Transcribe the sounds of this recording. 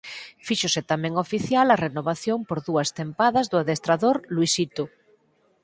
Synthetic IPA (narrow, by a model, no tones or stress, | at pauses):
fiʃoset̪amẽŋofiθjalarenoβ̞aθjompoɾðuast̪empaðazðoaðest̪ɾaðoɾlwisit̪u